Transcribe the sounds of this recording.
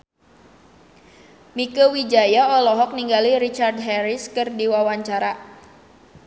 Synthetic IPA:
mikəwid͡ʒajaɔlɔɦɔk̚niŋɡaliɾit͡ʃard̚ɦɛɾɪskɨrdiwawaɲt͡ʃaɾa

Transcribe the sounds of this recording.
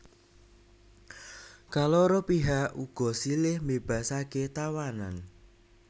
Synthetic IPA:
kaloɾɔpiɦaʔuɡ̥ɔ̤silɪhmeb̥a̤saket̪awanan

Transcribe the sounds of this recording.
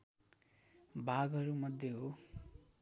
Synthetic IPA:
bʱaɡʌɾumʌd̪ʱjeɦo

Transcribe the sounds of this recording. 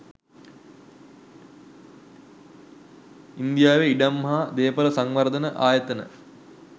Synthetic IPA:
ind̪ijaːʋeiɖamːɐɦad̪eːpələsaŋʋɐɾd̪ənəʔaːjət̪ənə̰

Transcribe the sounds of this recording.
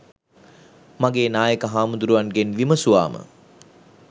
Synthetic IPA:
maɡeːnaːjəkəɦaːmund̪uɾuʋanɡenʋiməsuʋa̰ːmə̰

